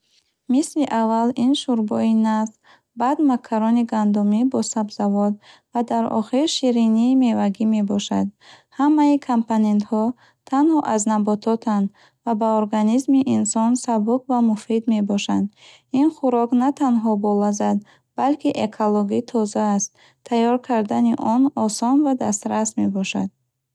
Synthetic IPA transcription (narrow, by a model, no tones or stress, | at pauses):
misliʔavːalinʃuɾbɔinaf | bad̪makʰːaɾɔniɡand̪umibɔsabzavɔd̪ | vad̪aɾɔ̰χiɾʃiɾiniːme̞vaɡime̞bɔʃad̪̚ | hamːaikʰampone̞nt̪hɔ | t̪ʰanhɔʔaznabɔt̪ʰɔt̪ʰand̪ | vabaoɾɡanizmiʔinsɔnsabukvamufid̪me̞bɔʃad̪ | inχuɾɔknat̪ʰanɦɔbɔlazad̪ | b̥alkiʔekʰoloɡit̪ʰɔzaːst̪ | t̪ʰːajɔɾkʰaɾd̪aniʔɔnɔsɔnvad̪ast̪ɾasme̞bɔʃa̰d̪̥̚